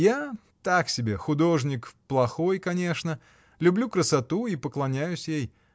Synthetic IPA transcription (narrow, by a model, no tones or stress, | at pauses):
ja | t̪aksʲɪbʲe̞xʊd̪o̞ʐnʲɪkplˠɐxo̞jkɐnʲe̞ʂnə | lʲʊblʲukɾəsɐt̪uipəklˠɐnʲæjʉsʲjej